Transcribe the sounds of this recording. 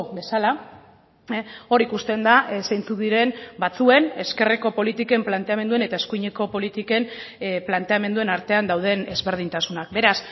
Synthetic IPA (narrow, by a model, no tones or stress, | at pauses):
be̞sala | o̞ɾikust̪e̞nd̪asajnt͡suðiɾe̞mbat͡sue̞ne̞ske̞reko̞po̞lit̪ike̞mplant̪e̞ame̞nd̪ue̞ne̞t̪aeskujɲe̞ko̞po̞lit̪ike̞mplant̪e̞ame̞nd̪ue̞naɾt̪e̞and̪awð̞e̞ne̞zβe̞ɾð̞int̪asunak̚be̞ɾas